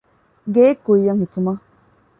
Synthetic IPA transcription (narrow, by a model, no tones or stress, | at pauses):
ɡekoijaŋhifuma